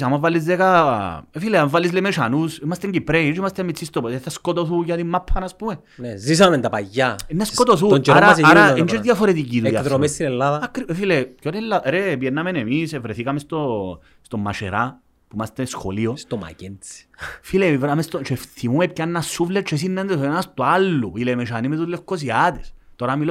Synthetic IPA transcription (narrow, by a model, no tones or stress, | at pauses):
samavːalːizðekaefileavːalːislemet͡ʃanusimast̪eɲɟipɾeit͡ʃimast̪emːit͡sːist̪opeθaskot̪oθujat̪imːapʰːanaspume | nezis̬amend̪apajːanːaskot̪̬oθunt͡ʃaɾaasaɾaind͡ʒeɾt̪iafoɾet̪ikit̪ujaðɾomest̪inelːaðɐakːɾiefilekoɾelːaɛɾep̬jɛnːamenemisevɾeθikamest̪o | st̪omːa̰t͡ʃḛɾa | pumast̪esxoliost̪oma̰kensi̥filevɾamest̪ot͡ʃɛfθimuekːanːasːuflet͡ʃes̬inːand̪esoenast̪oalːuilemet͡ʃanimet̪ut̪lefkos̬iat̪e̥st̪oɾamil